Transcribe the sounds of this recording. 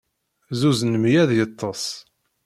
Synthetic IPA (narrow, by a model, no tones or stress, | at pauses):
zuznəmjæðjət̪ˤʰːɑsˤ